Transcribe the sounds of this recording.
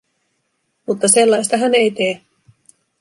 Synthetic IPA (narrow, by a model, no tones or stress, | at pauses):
mut̪ːɑse̞lːɑjst̪ɑɦæne̞jt̪eː